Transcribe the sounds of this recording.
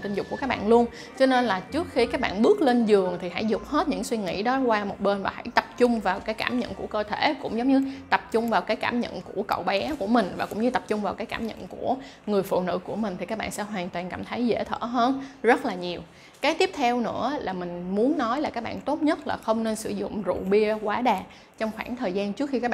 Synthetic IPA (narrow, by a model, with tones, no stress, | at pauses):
t̪i˧nzʊ˨˩k͡p̚ku˧˩əkaː˦˥k̚ɓaː˧˨nlu˧ən | t͡ɕɔ˧ne˧nlaː˨˩t͡ɕɨ˦˥ək̚xi˧kaː˦˥k̚ɓa̰ː˧˨nɓɨ˦˥ək̚le˧nzɨ˨˩əŋt̪ʰi˨˩ha̰˧˥jzʊ˨˩k͡p̚he˦˥t̚ɲɨ̰˧˥ŋswi˧ŋḭ˧˥ɗɔ˨˦kwaː˧mo˨˩t̚ɓe˧nvaː˨˩hə̰˧˥jt̪ə˨˩p̚t͡ɕʊ˧ŋ͡mvaː˨˩wkaː˨˦jkaː˧˩mɲə̰˧˨nku˧˩əkəː˧t̪ʰe˧˩kʊ̰˧˥ŋ͡mzə˨˦wŋ͡mɲɨ˧t̪ə˨˩p̚t͡ɕʊ˧ŋ͡mvaː˨˩wkaː˨˦jkaː˧˩mɲə̰˧˨nku˧˩əkə̰˧˨wɓɛ˨˦ku˧˩əmï˨˩ŋ̟vaː˨˩kʊ̰˧˥ŋ͡mɲɨ˧t̪ə˨˩p̚t͡ɕʊ˧ŋ͡mvaː˨˩wkaː˨˦jkaː˧˩˨mɲə̰˧˨nku˧˩ə | ŋɨ˨˩əjfṵ˧˨nɨ̰˧˥ku˧˩əmi˨˩ŋ̟t̪i˨˩kaː˦˥k̚ɓaː˧˨nsɛ̰˧˥ɦwaː˨˩nt̪waː˨˩nka˧˩mt̪ʰə˨˦jzḛ˧˩t̪ʰə̰ː˧˩ɦəː˧nzə˦˥t̚laː˨˩ɲi˨˩əw | kaː˨˦jt̪i˦˥əp̚t̪ʰɛ˧wnɨ̰˧˥əlʔaː˨˩mï˨˩ŋ̟mu˨˦ənːɔ˨˦jlaː˨˩kaː˦˥k̚ɓaː˧˨nt̪o˦˥t̚ɲə˦˥t̚laː˨˩xə˧wŋ͡mne˧nsɨ˧˩zʊ̰˧˨ŋ͡mzṵ˧˨ɓi˧əkwaː˨˦ɗaː˨˩ | t͡ɕɔ˧wŋ͡mxwaː˧˩nt̪ʰəː˨˩jzaː˧nt͡ɕɨ˦˥ək̚xi˧kaː˦˥k̚